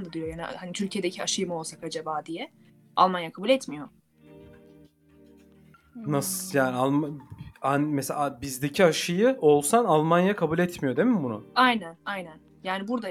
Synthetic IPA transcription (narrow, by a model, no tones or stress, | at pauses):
nd̪ad̪ijo̞jaːnihanit̪ʰylʲcʰije̞d̪ecʰiaʃɯjɯmɯo̞lˠsakad͡ʒabaːd̪ijɛ | ʔa̰lˠmanjakʰabuːlʲɛt̪mijo̞ | nasɯjaːnialˠmaanmeselabizd̪e̞cʰiaʃɯjɯo̞lˠsanalˠmanjakʰabuːlʲɛt̪mijo̞d̪emimbunʊ̰ajnænajnæn | jaːnibuɾd̪a